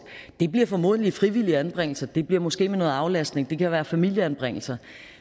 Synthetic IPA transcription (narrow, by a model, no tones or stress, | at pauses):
d̥e̝b̥liɐ̰fɒ̽mo̝ð̰ˠəlifʁiʋil̰iəænb̥ʁeŋ̰l̩sɐd̥e̝b̥liɐ̰mɒ̽sɡ̥e̝̰ːmenɔ̽ːð̩ˠɑ̈ʊlæsd̥ne̝ŋd̥e̝kʰæʋæːɐfæmil̰jəænb̥ʁeŋ̰l̩sɐ